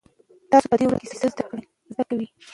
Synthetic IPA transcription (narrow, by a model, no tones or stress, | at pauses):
t̪ɑsopəd̪ewɽa̰kesesəzd̪akɽ | zd̪akawi